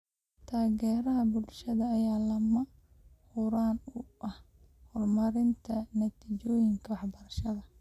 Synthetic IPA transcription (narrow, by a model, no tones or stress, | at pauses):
t̪ʰaːɣɛːɾɐɦɐbʊlʃɐðɐːjaːlɐmɐ | hʊɾaːnʊʔɐh | hɔrmɐɾɪnt̪ʰɐnɐt̪ʰiːt͡ʃɔːjɪŋkʰɐwɑħbɐɾɐʃɐðɐ